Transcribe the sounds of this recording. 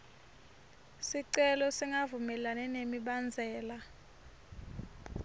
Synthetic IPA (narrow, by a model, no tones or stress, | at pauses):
siǀɛlɔsiŋɡavumɛlanɛnemiɓand͡zʱɛːla